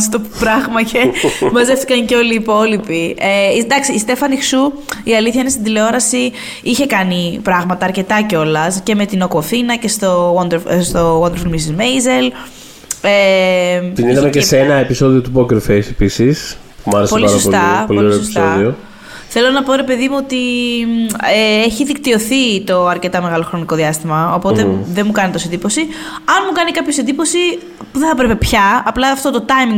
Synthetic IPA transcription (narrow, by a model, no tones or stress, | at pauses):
st̪opɾɐɣmɐcʰemɐzeft̪ikɐɲceo̞liːpo̞lipieid̪ɐksiːst̪e̞fɐnixsuiɐliθçɐinest̪id̪ileo̞ɾɐsi | içe̞kɐnipɾɐɣmɐt̪ɐːɾce̞t̪ɐceo̞lɐsce̞me̞t̪ino̞koθinɐce̞st̪o̞wond̪eɾst̪o̞wɐnd̪ɾfilmisizmejzel | e | t̪iniðɐmeceseenɐepiso̞ðio̞t̪upoceɾfejsepisis | mɐɾespoeliɐɾɐsolt̪ɐpoloioɾoesi̥soðio | θe̞lo̞nɐpo̞ɾe̞pe̞ðimuo̞t̪i | eeçiðikt̪io̞θit̪o̞ɐɾce̞t̪ɐme̞ɣɐlo̞xɾo̞niko̞ðiɐst̪imɐopo̞t̪eðenmukɐnit̪o̞send̪ipo̞si | ɐnmukɐnikɐpçosend̪ipo̞si | puðeθɐpɾepe̞pçɐɐplɐft̪ot̪ot̪ɐjmiŋ